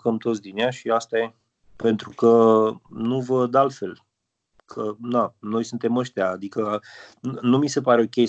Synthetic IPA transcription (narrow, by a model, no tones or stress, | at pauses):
kəmt̪ot̪sd̪ineaʃiast̪aje | pe̞nt̪ɾukənuvəd̪alt̪fe̞l | kʰənano̞jsunt̪e̞məʃt̪eaːd̪ikə | numise̞paɾe̞okʲe̞